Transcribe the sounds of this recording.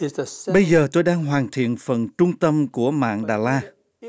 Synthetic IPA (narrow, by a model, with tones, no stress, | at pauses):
ɓə˧jjzəː˨˩t̪o˧jɗaː˧ŋɦwaː˨˩nt̪ʰḭ˧˨ənfə˨˩nt͡ɕʊ˧ŋ͡mt̪ə˧mku˧˩əma̰ː˧˨ŋɗaː˨˩laː˧